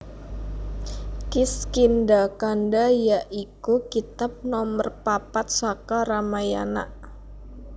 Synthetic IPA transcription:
kiskindakandajaʔikukit̪ap̚nɔmərpapat̪̚sakaɾamaja̰na̰ʔ

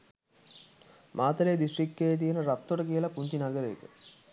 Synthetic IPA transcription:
mʔaːt̪əleːd̪iʃrikːejət̪̬ijənəɾap̚t̪ːoʈəkijəlɐpuɲt͡ʃinɐɡəɾeːkə

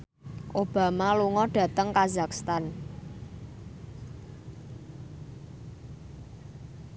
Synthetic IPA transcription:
ʔob̥a̤maluŋɔɖ̥ä̤t̪əŋkazakst̪an

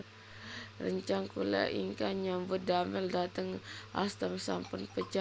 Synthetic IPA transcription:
rəɲt͡ʃaŋkula̰ʔḭŋkanjaŋbədaməldat̪əŋa̰st̪əmsa̰mpʊnpət͡ʃa

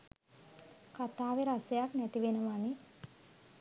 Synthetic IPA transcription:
kat̪aːʋeɾasejaknæt̪iʋenəʋani

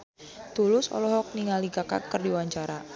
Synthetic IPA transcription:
t̪ulʊsɔ̰lɔɦɔk̚niŋaliɡaka̰kərdiwaɲt͡ʃaɾa

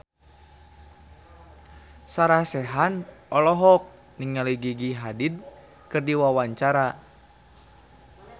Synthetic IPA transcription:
saɾasɛɦanɔlɔɦɔk̚ | niŋaliɡiɡiɦadid̪̚ | kɨrdiwawaɲt͡ʃaɾa

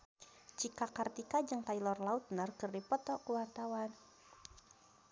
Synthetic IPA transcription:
t͡ʃikakart̪ikad͡ʒɨŋt̪ailɔrlaut̪̚nərkɨrdipɔt̪ɔkuwart̪awan

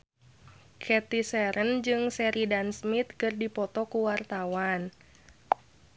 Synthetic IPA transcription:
kʰɛt̪isɛɾʔənd͡ʒɨŋsɛɾʔidansmit̪̚kɨrdipɔt̪ɔkuwart̪awan

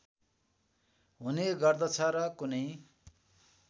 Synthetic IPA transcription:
ɦuneɡʌrd̪ʌt͡sʰʌɾʌkunʌj

